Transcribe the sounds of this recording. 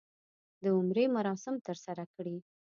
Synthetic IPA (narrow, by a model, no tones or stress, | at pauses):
d̪əʊmɾemaɾɑsɪmt̪əɾsaɾakɽi